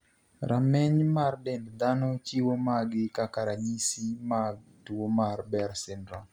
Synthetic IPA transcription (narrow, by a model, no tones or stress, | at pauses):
ɾʔamɛɲmardɛndd̪anɔt͡ʃiwomaɡɪkakaɾaɲisimaɡtuomarbɛɾsɪndɾa